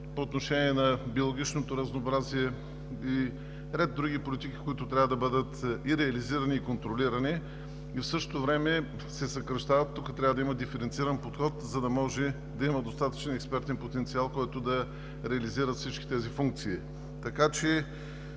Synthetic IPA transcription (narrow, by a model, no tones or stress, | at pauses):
poːt̪noʃɛniɛnɐbiolˠoɡʲit͡ʃnot̪oɾɐznoːbɾaziɛ | i | ɾɛd̪̚dːɾuɡipolit̪ik̟i̥koit̪ʊt̪ɾʲavəd̪ɐbɤd̪ət̪iɾɛɐliziɾəniːkont̪ɾoliɾəni | ifsɤʃt̪o̥t̪ovɾɛmɛ | sɛsɐkɾɐʃt̪avɐt̪ːukət̪ɾʲavəd̪ɐiməd̪ifɛɾɛnt̪siɾənpot̪xɔt̪zɐd̪ɐmɔʒɛ | d̪ɐiməd̪ost̪at̪ə̥t͡ʃɛnɛkspɛɾt̪ɛnpot̪ɛnt̪sialˠkɔjt̪od̪ɐ | ɾɛɐliziɾət̪fsit͡ʃkʲi̥t̪ɛzifuŋk̚t̪sii | t̪ɐkat͡ʃɛ